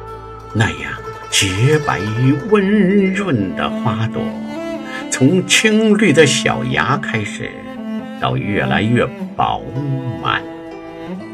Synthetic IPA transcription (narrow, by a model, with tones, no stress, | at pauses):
na˥˩ja̰˥˩ŋ | t͡ɕjɛ˧˥pa˧˥ɪy˥wə˥nɻwə˥˩nd̪ə̰˩xwa˥t̪wɔ̰˥˩˦ | t͡sʰʊ˧˥ŋt͡ɕʰi˥ŋly˥˩d̪ə˨ɕjɑ̰˨˩ʊja˧˥kʰa˥ɪʂɻ̩̰˨˩˦ | t̪ɑ̰˥˧ʊɥɛ˥˩la˧˥ɪɥɛ˥˩pɑ˨˧˥ʊma̰˨˦n